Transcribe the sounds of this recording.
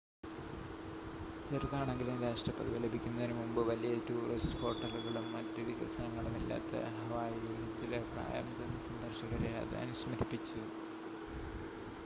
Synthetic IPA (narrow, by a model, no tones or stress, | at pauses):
t͡ɕɐɾiðaːɳeŋɡilund̪ɐʂʈɐpːɐ̰ðiʋɐlɐbʱikʲːunːɐðinɨmumbɨʋɐlijɐtuːrisʈɨho̞ːʈːɐluɣɐɭumːɐtːɐðiɣɐ̰sɐnɐŋːɐɭumilːa̰ːt̪ːɐ̰ɦɐʋaːjiɡɐnit͡ɕːilɐpra̰ːjɐ̰mt̪ɐnːɐsɐnd̪ɐrɕɐɣɐɾeɐ̰ðɐ̰ɐ̰nusmɐɾipːit͡ɕːu